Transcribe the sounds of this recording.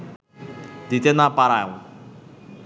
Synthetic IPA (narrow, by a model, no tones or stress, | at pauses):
d̪it̪ɛnapaɾaŋ̩